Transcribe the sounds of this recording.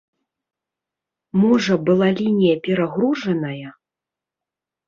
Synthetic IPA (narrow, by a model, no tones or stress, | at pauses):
muʐɐbɨlˠalʲinʲijɐpʲɛɾaɣɾuʐɐnɐjɐ